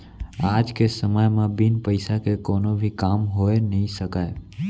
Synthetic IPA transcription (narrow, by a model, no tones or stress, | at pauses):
ad͡ʒkesəməjmãbinpəjsakekonobʱikamɦojnəɦĩsəkaj